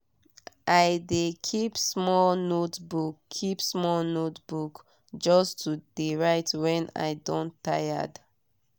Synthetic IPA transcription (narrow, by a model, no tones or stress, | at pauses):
aɪdekʰipsmɔlnotbukʰːipsmɔlnotbuk | d͡ʒɔstʰudeɹaɪtwɛ̃na̰ɪdɔ̃ntːaja̰d